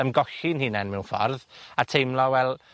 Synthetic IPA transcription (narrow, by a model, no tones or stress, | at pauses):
əmɡɔɬɪnhɨːnɛnmɛwfɔ̰rðatʰejmlˠɔwɛlˠ